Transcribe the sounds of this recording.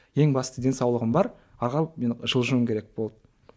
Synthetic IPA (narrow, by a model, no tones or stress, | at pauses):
je̞ŋbɑst̪əd̪e̞nsɑwlˠəʁəmbɑɾ | ɑɾʁɑmenʒ̥əlˠʒəməmkʲʰe̞ɾek̚b̥olˠd̪ə